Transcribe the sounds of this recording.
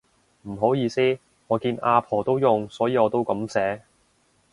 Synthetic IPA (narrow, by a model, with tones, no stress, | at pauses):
m̩˨˩ɦo˨˥wjiː˨˧siː˥ | ŋɔː˨˧kiː˧naː˧pʰɔː˨˩t̪o˥wjʊ˨ŋsɔː˨˥jiː˧ɔː˨˧t̪o˥wkɐ˨˥msɛː˨˥